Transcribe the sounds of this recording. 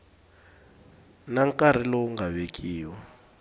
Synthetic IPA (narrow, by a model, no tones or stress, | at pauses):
naŋkʼaɾ̤ilɔuŋɡaβekʰʼiːwa